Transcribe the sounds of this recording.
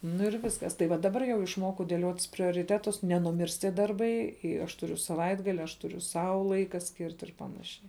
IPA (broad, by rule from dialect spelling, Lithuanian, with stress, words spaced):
ˈnʊ ɪr ˈʋʲɪskɐs tɐɪ ˈʋɐ dɐˈbɐr jɛʊ ɪʃˈmoːkɐʊ dʲeːˈlʲoːtʲɪs pʲrʲoːrʲɪˈtʲæːtʊs nʲɛnʊˈmʲɪrs ˈtʲiɛ ˈdɐrbɐɪ ɪ ˈɐʃ tʊˈrʲʊ sɐˈʋɐɪdɡɐlʲɪ ɐʃ ˈtʊrʲʊ ˈsɐʊ ˈlˠɐɪkɐ ˈsʲkʲɪrt ɪr ˈpɑːnɐʃʲɛɪ